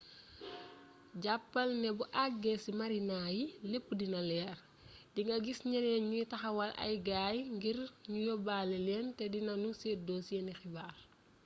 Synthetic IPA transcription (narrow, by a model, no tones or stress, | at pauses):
ɟapːɐlnɛbuʔaɡːɛsimɐɾinaːjilepːudinɐlɛːr | diŋɡɐɡisɲɛnɛɲujtɐxɐwɐlʔɐ̰jɡaːjŋɡirɲujɔbaːlɛlɛːntɛdinɐnusedosjɛnixibaːr